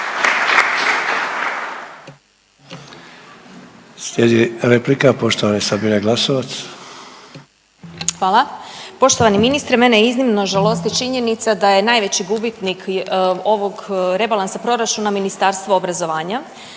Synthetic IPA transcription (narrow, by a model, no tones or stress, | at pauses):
slʲjed̪iɾeplikapo̞ʃt̪oʋanisabineɡlasoʋat̪s | xʋaːlˠapo̞ʃt̪oʋaniminist̪ɾemeneiznimno̞ʒalo̞st̪it͡ʃiɲenit̪sad̪aje̞najʋe̞t͡ɕiɡubit̪niko̞ʋo̞ɡɾe̞balˠansapɾo̞ɾat͡ʃunaminist̪aːɾst̪ʋaobɾazo̞ʋaːɲa